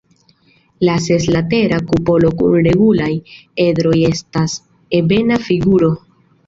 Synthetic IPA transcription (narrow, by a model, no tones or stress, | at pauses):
lase̞slate̞ɾakupo̞lo̞kṵnɾe̞ɡulaje̞dɾo̞je̞stas | e̞be̞nafiɡuɾo̞